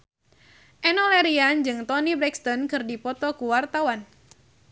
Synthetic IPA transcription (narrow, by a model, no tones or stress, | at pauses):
ʔɛnɔlɛɾiand͡ʒɨŋt̪ɔnibɾɛkst̪ɔnkɨrdipɔt̪ɔkuwart̪awan